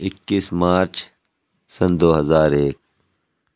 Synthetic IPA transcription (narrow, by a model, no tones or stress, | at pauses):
ɪkːismaːɾt͡ʃ | sɐnd̪oːɦɐzaːɾeːk̚